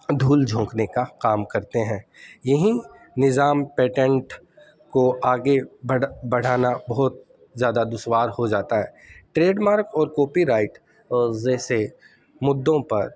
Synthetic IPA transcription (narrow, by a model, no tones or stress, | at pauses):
d̪ʱuːld͡ʒʱõːknekakaːmkɐɾt̪eɦɛ̃ːjɐɦĩ | nɪzaːmpeːʈɛ̃ɳʈ | koaːɡebbɐɽ̤aːnabɔɦʊt̪̚ | zjaːd̪ad̪ʊswaːɾhod͡ʒaːt̪aɦɛː | ʈɾeːɖmaːɾkɔːɾkɔːpiɾaːɪʈ | zɛːse | mʊd̪ːõpɐɾ